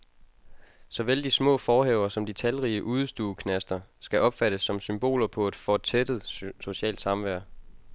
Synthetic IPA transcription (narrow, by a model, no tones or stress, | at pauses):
sɒ̽ʋeld̥ismɔ̰ːfɒːheʊ̰ɐsɒ̽md̥it͡sʰælʁiːəʔuð̞̩ˠsd̥uːkʰnæsd̥ɐsɡ̥æʔɒ̽b̥fæɾ̥əsːɒ̽msymb̥o̝̰ːlɐpʰɒ̽e̝d̥fɒt͡sʰed̥ð̩ˠso̝ɕɛ̰ːld̥sɑ̈mʋæɐ̰